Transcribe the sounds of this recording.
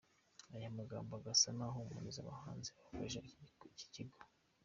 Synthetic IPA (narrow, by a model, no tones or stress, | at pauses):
ajamaɡaːmboaɡasanaɦomṵniza̰βa̰haːnzeakeʒaci̥ciɡo